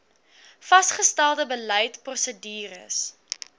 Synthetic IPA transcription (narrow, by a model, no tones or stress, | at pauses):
fɐstχəstælˠdəbələjtprɔsədiːɾə̰s